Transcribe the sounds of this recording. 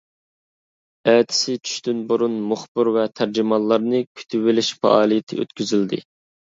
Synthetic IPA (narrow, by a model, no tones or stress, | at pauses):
ɛːt̪ʰɪ̥sɪt͡ʃʰy̥ʃt̪ynbuɾunmʊχbɨɾvɛt̪ʰæɾd͡ʒimɑlˠːɑɾnɨkʲʰy̥t̪ʰyvɪlɪʃfɛ̰ʔɑːlˠijɪt̪ʰɪø̰t̪kʲʰyzyld̪ɪ̰